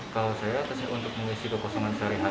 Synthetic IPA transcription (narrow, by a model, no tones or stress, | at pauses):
kalasajakəsɪɦunt̪ʊk̚məŋisikəkɔsɔŋansaɾiɦa